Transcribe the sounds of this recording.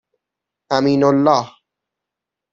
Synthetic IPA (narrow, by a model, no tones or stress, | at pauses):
ʔamiːnʊlːɑːh